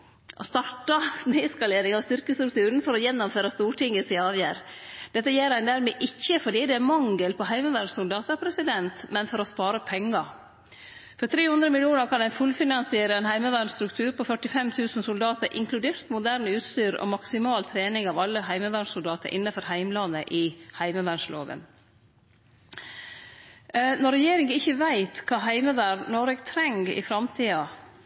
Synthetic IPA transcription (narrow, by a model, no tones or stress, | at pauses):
ʔɔ̰st̪ɑʈːɑneːɪskɑleːɾɪŋɑʋst̪ʏɾkəst̪ɾʉk̚t̪ʰʉːɾənfɔɾɔjɛnːɔmføːɾɑst̪uːʈɪŋːəsɪɑːʋjæːɾ | d̪ɛt̪ːəjeːɾæɪnd̪æːɾmeːʔɪçːəfɔɖiːd̪ɛæmɑŋɡəlpʰɔhæɪməʋæɾɖsʊld̪ɑːt̪əɾpʰɾɛsɪd̪ɛnt̪mɛnfɔɾɔspɑːɾəpʰɛŋːɑ | fɔɾt̪ʰɾeːhʊnd̪ɾəmɪlɪuːnəɾkʰɑnæɪfʉlfɪnɑnsɪeːɾəɛnhæɪməʋæɳst̪ɾʉkt̪ʰʉːɾpʰɔfœʈɪfɛmt̪ʰʉːsən̩sʊld̪ɑːt̪əɾʔɪ̰ŋkʰlʉd̪eːɾt̪mʊd̪æɾɳʉːt̪st̪yːɾɔ̰mɑksɪmɑːlt̪ʰɾeːnɪŋɑːʋɑlːəɦæɪməʋæɳʂsʊld̪ɑːt̪ə̰ɾʔɪ̰nːɑfɔɾhæɪmlɑnːəʔɪhæɪməʋæɳʂlo̰ːʋə̰n | nɔɾɛjeːɾɪŋəɪçːəʋæɪt̪kʰɑːɦæɪməʋæɖnɔɾɛɡt̪ʰɾɛŋɡɪ̰fɾɑmt̪ʰiːɑ